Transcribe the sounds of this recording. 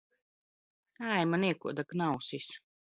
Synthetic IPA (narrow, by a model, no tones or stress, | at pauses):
æjmaniɛkṵɔd̪aknawsis